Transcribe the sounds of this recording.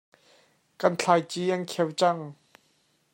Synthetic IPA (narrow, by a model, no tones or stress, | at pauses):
kɐnt͡ɬʰajt͡siʔɐnkʰɛwt͡sɐŋ